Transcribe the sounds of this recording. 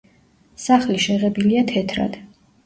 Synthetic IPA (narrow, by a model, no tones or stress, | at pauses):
saχliʃɛʁɛbiliat̪ʰɛt̪ʰɾa̰d̪̥